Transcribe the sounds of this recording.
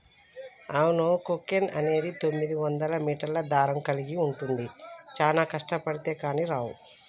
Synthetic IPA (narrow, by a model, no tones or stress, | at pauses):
aːwunoːkokenɐ̰ne̞ːd̪it̪o̞mːid̪iʋɐnd̪ɐlɐmiːʈɐɾlɐd̪aːɾɐmkɐliɡiuɳʈund̪it͡ʃaːnaːkɐʂʈɐpɐɽit̪e̞ːkaːniɾaːwu